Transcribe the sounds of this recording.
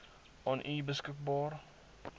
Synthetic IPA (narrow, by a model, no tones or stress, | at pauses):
ʔɑnʔibəskək̚bɑːr